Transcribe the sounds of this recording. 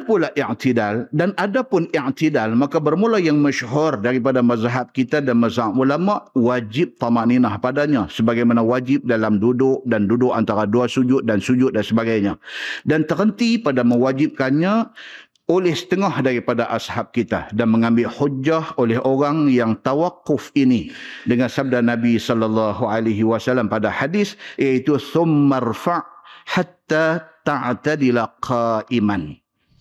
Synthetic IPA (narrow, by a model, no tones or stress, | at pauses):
pulaʔɪʕt̪idaldanadapʊnɪʕt̪idalmakabərmulajaŋməʃɦʊrdaɾip̬adamazaɦat̪̚kit̪adanmazaɦaʔulamaʔwad͡ʒɪp̚t̪amaʔninahpadaɲasəbaɡajmanawad͡ʒɪp̚dalamdudʊk̚dandudʊkant̪aɾaduasud͡ʒʊt̪̚dansud͡ʒʊt̪̚dansəbaɡajɲadant̪əɾənt̪ipadaməwad͡ʒɪp̚kanɲa | olɛhsə̥t̪əŋahdaɾipadaʔashap̚kit̪a̰danməŋãmbɪlhud͡ʒːaholɛɦʔoɾaŋjaŋt̪awaqːʊfinidəŋansab̚danabisɔlːalːɑɦualaɦiwasalːampadaħadɪsjait̪uθʊmːarfaʔħat̪ːat̪aʕt̪adilaqʰaʔiman